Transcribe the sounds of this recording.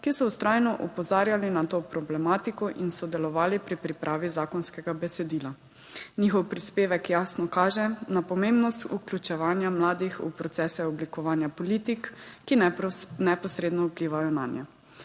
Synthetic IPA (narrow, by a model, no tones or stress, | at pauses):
kisɔust̪ɾaːjnɔʔupɔzaːɾjalinat̪oːpɾɔblɛmaːt̪ikɔʔinsɔd̪ɛlɔʋaːlipɾipɾipɾʔaːʋizaːkɔnskɛɡabɛsɛd̪iːla | nixɔwpɾispeːʋɛkjaːsnɔkaːʒɛnapɔmembnɔst̪uklʲut͡ʃɛʋaːnjamlaːd̪ixṵpɾɔt̪sɛːsɛɔblikɔʋaːnjapɔliːt̪ikːinɛpɔsɾeːd̪nɔupliːʋajɔna̰njɛ̰